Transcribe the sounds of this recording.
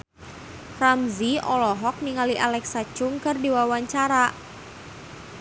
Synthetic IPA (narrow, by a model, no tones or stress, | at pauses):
ramziɔlɔɦɔk̚niŋaliʔalɛksat͡ʃʊŋkərdiwawaɲt͡ʃaɾa